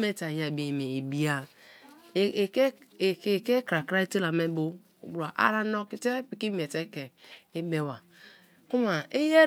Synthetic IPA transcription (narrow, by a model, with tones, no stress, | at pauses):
me˦ta˨ja˨bi˨me˨i˨bi˦a˨ | ke˦˨˦ | ke˦kɾa˨kɾa˦i˦te˦la˨me˦bo̰˦˨ | bu˨ɾa˨ʔa̰˦ɾa˦nɔ˦ki˦te˦pi˨ki˦m˦˨e˨te˦ke˨i˦be˦˨wa˨ | ku˦ma˨i˦je˦